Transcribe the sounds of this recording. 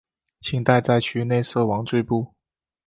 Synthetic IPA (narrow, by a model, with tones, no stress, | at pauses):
t͡ɕʰi˧˩ŋt̪a˥˧ɪt͡sa˥˧ɪt͡ɕʰy˧˥ne˥˧ɪsɤ˥˩wɑ˧˥ŋt͡swe˥˧ɪpu˥˩